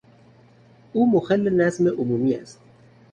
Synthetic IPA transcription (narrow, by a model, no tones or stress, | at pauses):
uːmoxælːenæzmeʔʊmuːmiːæst̪